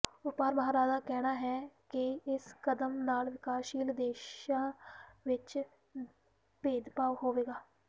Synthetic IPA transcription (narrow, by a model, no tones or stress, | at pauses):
ʊpaːɾbaːəɾaːd̪aːkɛːnaːɦɛːkɪɪskəd̪əmnaːlʋɪkaːʃiːld̪eːʃãːʋɪt͡ʃ | peːd̪paːʋɦoːʋeːɡaː